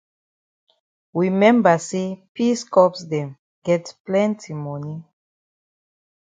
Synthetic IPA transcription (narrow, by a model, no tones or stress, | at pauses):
wimɛ̃mbasepiskɔpsdɛ̃m | ɡ̥ɛtplɛ̃ntʰimɔni